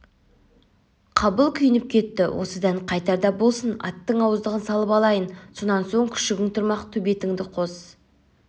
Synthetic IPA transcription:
qʰɑbəlˠkʲʰʏjɪnɪp̚kʲʰe̞t̪ːɪwʔo̞̰səd̪ɑɴqʰɑjt̪ɑɾd̪ɑbo̞lˠsənɑ̰t̪ːəɴɑwəzd̪əʁənsɑlˠəpɑlˠɑjənso̞nɑnso̞ɴkʲʰʏ̥ʃɪɡʲɪŋt̪ʰʊɾmɑqt̪ʰɵbe̞t̪ɪŋd̪ɪqʰo̞s

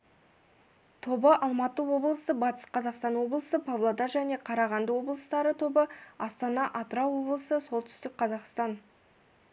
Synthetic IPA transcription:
t̪ʰo̞bəʔɑlˠmɑt̪əwo̞blˠəsəbɑt̪ə̥sqʰɑzɑqst̪ɑnwo̞blˠəsəpʰɑvlˠod̪ɑʒæne̞qʰɑɾɑʁɑnd̪əwo̞blˠəst̪ɑɾət̪ʰo̞bəɑst̪ɑnɑʔɑt̪ɾɑwo̞blˠəsəso̞lˠt̪ʰʏ̥st̪ɪk̚ʲqʰɑzɑqst̪ɑn

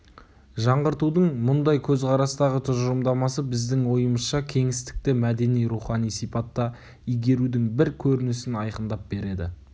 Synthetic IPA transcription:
ʒɑɴʁəɾt̪ud̪əɴmʊnd̪ɑjkʲʰɵzqɑɾɑst̪ɑʁət̪ʰʊʒəɾəmd̪ɑmɑsəbɪzd̪ɪŋwo̞jəməsʃɑkʲʰe̞ŋɪst̪ɪ̥k̚t̪ɪmæd̪e̞nijɾuχɑnijsipɑt̪ːɑ | ijɡʲe̞ɾud̪ɪŋbɪɾkʲʰɵɾɪnɪsɪnɑjqənd̪ɑp̚be̞ɾe̞d̪ɪ̰

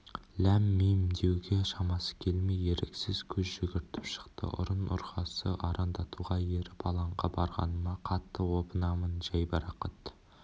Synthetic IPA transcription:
læmːejmd̪e̞wɡʲe̞ʃɑmɑsə̥kʲʰe̞lmejːe̞ɾeksɪzkʲʰɵzʒʏɡʲɪɾt̪ɪpʃə̥qt̪ə̰ʔʊ̰ɾənʊ̰ɾqɑsəʔɑɾʔɑnd̪ɑt̪ʰuʁɑjeɾɪb̥ɑlˠɑɴʁɑbɑɾʁɑ̰nəmɑqʰɑt̪ːəwo̞pənɑmənʒɑjbɑɾɑqət̪

